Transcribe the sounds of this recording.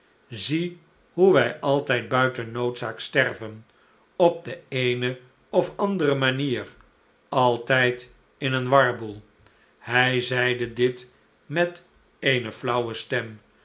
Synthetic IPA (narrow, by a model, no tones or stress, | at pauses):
zi | ɦuʋɛjʔɑlˠtɛjd̚bœɥtənowtsaːkstɛrvən | ɔb̚dəejnə | ɔfɑndərəmaniːr | ɑlˠtɛjt | ɪnənʋɑɹbulˠ | hɛjzɛjdədɪt | mɛt | ejnəflʌwəstɛm